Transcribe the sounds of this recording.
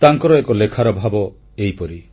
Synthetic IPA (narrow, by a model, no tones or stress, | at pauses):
t̪aŋkɔɾɔekɔlekʰaɾɔbʱabɔ | ejpɔɾi